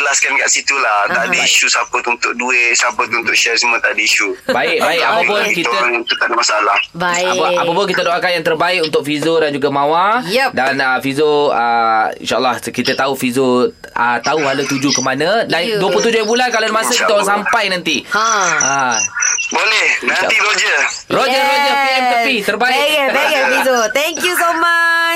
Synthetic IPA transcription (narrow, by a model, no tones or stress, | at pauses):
bəlaskankaʔsit̪ulaht̪aʔdaiʃusapət̪uunt̪ʊʔ̚dueʔsapət̪uunt̪ʊʔʃɛsəmuət̪aʔdəiʃubaɪk̚baɪkapapəikit̪əaŋnt̪uʔt̪adamasaalahbapəapapʊkit̪ədoʔakanjaŋt̪ərbaɪkunt̪ʊk̚fizodand͡ʒuɡamãwadanəfizoəḭnʃa̰ʔəlːahkit̪ət̪aufizo | ət̪auɦalat̪ud͡ʒukəmanə̃danduəplut̪ud͡ʒʊjãbulankalonmasʊkkiəoɾaŋsampajnant̪i | a | bolɛhna̰iɾod͡ʒə | rod͡ʒəɾod͡ʒərpiɛmk̪əpit̪ərbaɪɡəbɛɡəfizot̪ɛŋkjusomat͡ʃ